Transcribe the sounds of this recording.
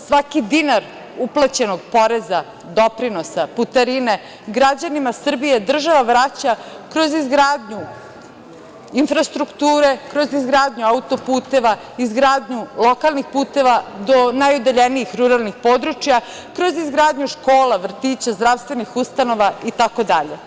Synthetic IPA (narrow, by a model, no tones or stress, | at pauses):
sʋakid̪inaɾ | uplˠat͡ɕe̞no̞ɡ̚po̞ɾe̞za | d̪o̞pɾino̞saput̪aɾine̞ | ɡɾad͡ʑanimasr̩bije̞d̪r̩ʒaʋaʋɾat͡ɕa | kɾo̞zizɡɾaːd̪ɲu | infɾast̪ɾukt̪uːɾe̞kɾo̞zizɡɾaːd̪ɲuaut̪o̞puːt̪e̞ʋa | izɡɾaːd̪ɲulˠo̞kalˠnixpuːt̪e̞ʋad̪o̞najod̪aʎeniixɾuɾalˠnixpo̞d̪ɾut͡ʃija | kɾo̞zizɡɾaːd̪ɲuʃko̞ːlaʋr̩t̪iːt͡ɕazd̪ɾaʋst̪ʋenixust̪ano̞ʋait̪ako̞d̪aʎe̞